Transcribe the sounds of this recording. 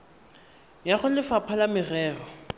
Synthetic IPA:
jaχʊlɪfapʰalamɪrɛːrɔ

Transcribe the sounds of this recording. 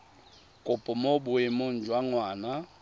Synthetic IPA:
kʼʊpʼʊmobʊemon̩d͡ʒwaŋwaːna

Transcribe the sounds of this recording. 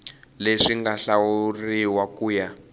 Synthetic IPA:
leʂiŋɡaɬawuriwakuːja

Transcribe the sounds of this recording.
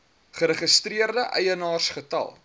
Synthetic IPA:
χəɾəχəstriərdəʔɛjənɑːrsχətɐ̰lˠ

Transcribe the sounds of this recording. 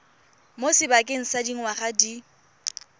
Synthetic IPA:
mosɪbakʼɪŋ̩sadiŋ̩waχadi

